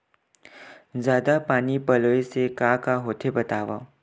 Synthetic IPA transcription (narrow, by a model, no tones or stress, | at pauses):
zjaːd̪apaːnipəloesekakaɦoːt̪ʰebət̪aːʋa̰